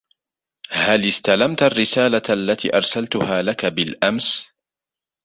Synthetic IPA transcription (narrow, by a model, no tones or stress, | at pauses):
halɪst̪alamt̪arːɪsaːlaʔalːat̪ḭːʔɑɾˤsalt̪ʊhaːlakabɪlʔams